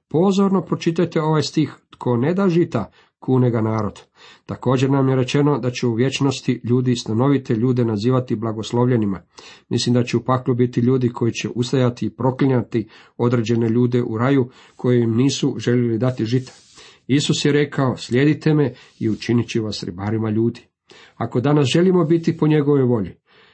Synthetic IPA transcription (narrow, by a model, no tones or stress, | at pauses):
po̞zo̞ɾno̞pɾo̞t͡ʃit̪ajt̪e̞o̞ʋajst̪ixt̪kʰo̞ne̞d̪aːʒit̪a | kʰuːneɡanaːɾo̞d̪ | t̪ako̞ːd͡ʑe̞ɾnamje̞ɾe̞t͡ʃe̞no̞d̪at͡ɕeuʋje̞t͡ʃno̞st̪iʎuːd̪ist̪ano̞ʋit̪e̞ʎuːd̪e̞naziːʋat̪iblaɡo̞slˠo̞ʋʎe̞nimamḭslimd̪at͡ɕeupaklubit̪iʎuːd̪ikʰo̞jit͡ɕe̞̰ʔust̪ajat̪iːpɾo̞kliɲat̪i | o̞d̪ɾe̞d͡ʑe̞ne̞ʎuːd̪e̞ʔuɾaju | kʰo̞jejimniːsuʒe̞lʲelid̪at̪iʒit̪ḁ | isusjeɾe̞kʰao̞sʎʲe̞d̪it̪e̞me̞ | iut͡ʃinit͡ɕiʋasɾḭbaːɾimaʎuːd̪i̥ | ako̞d̪anasʒe̞limo̞bit̪ipo̞ɲe̞ɡo̞ʋo̞jʋo̞ʎi